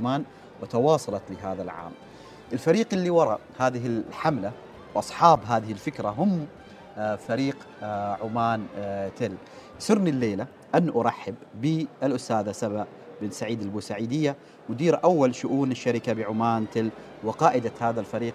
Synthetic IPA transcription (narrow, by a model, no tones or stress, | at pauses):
maːn | wɪt̪ɑwɑːsˤɑlɑt̪lɪɦaːðalʕa̰ːm | ʔɪlfaɾiːqɪlːiwɑɾˤɑhaːðɪɦɪħamla | wʔɑsˤħɑːbɦaːðɪhɪlfɪkɾaɦʊm | faɾiːq | ʕʊmaːnt̪ɪl | sʊɾnilːeːla | ʔanːʔʊɾˤɑħːɪbːɪɪlʔʊst̪aːðasabaʔ | ɪbɪnsaʕiːd̪albuːsaʕiːd̪ɪjːa | mʊd̪iːɾʔawːalʃʊʔuːnɪʃːaɾɪkabɪʕʊmaːnt̪ɪl | wɪqɑːʔɪd̪ahaːðalfaɾiːq